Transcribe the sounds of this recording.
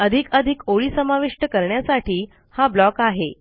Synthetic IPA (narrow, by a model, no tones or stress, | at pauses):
əd̪ʱikəd̪ʱikoɭiːsəmaʋiʂʈəkəɾɳjasaʈʰiː | hablɔkaɦe